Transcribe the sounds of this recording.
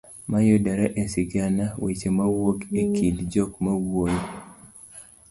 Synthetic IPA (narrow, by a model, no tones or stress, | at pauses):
majodaɾaʔesiɡanawet͡ʃemawokekʰidd͡ʒokmawwojo